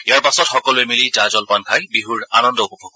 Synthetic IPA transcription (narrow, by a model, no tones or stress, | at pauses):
iaɹpasɔtxɔkɔluemilitazɔlpankʰajbiɦuɹanɔndɔopɔbʰʱɔɡɔ